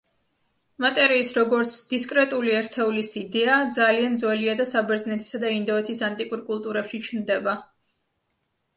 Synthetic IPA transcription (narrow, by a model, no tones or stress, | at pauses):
mat̪ʼɛɾiːsɾɔɡɔɾt̪sʰd̪̥iskʼɾɛt̪ʼuliɛɾt̪ʰɛulisid̪ɛad̪zaliand̪zwɛliad̪asabɛɾznɛt̪ʰi̥sad̪aind̪ɔɛt̪ʰisant̪ʼikʼuɾkʼulˠt̪ʼuɾɛpʃit͡ʃʰnd̪ɛba